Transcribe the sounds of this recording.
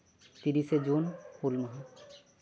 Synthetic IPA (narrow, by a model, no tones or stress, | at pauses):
t̪iɾised͡ʑunhulməɦa